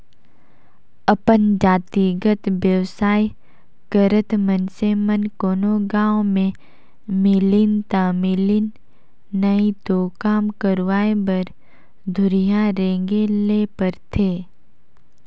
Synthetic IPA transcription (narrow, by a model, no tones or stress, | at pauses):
əpənd͡ʒaːt̪iɡət̪ʋjəʋsaːi | kəɾət̪mənsemənkoːnoɡãːwmẽ | mɪlɪnt̪amɪlɪnː | əit̪oːkaːmkəɾʋaːebəɾ | d̪ʱʊɾijaɾẽːŋɡeleːpəɾt̪ʰeː